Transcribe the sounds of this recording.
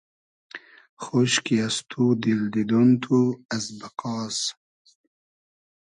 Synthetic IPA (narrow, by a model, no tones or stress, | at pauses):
χoɕkiast̪ʰud̪ild̪id̪unt̪ʰuɐsbɐqɑːs